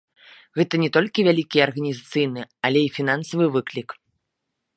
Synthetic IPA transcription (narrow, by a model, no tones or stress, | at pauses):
ɣɛt̪ɐnʲɛt̪ɔlʲkʲivʲalʲikʲiɐrɣɐnʲizat̪sɨjnɨɐlʲɛifʲinansɐvɨvɨklʲik